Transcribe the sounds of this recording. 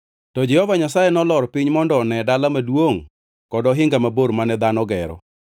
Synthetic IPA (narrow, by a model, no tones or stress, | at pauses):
tɔd͡ʒɛhɔvaɲasajɛnɔlɔɾpɪɲmɔndɔːnɛdalamadwoŋ | kɔdɔɦɪŋɡamaboɾmanɛd̪anɔɡɛɾɔ̰